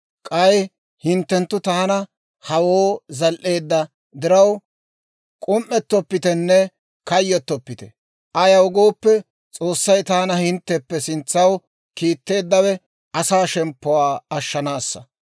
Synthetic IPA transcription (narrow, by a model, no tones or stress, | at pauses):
kʼɐj | hɪnt̪ːɛnt̪ːʊt̪aːnɐ | hɐwoːzɐlʔe̞ːd̪ːɐ | d̪ɪɾɐw | kʼʊmʔːɛt̪ːɔpːɪt̪ɛnːɛ | kɐjːɔt̪ːɔpːɪt̪ɛ | ʔɐjɐwʊɡo̞ːpːɛ | t͡sʼo̞ːsːɐjt̪aːnɐhɪnt̪ːɛpːɛsɪnt͡sːɐw | kiːt̪ːe̞ːd̪ːɐwɛ | ʔɐsaːʃɛmpːɔwaːɐʃːɐnaːsːɐ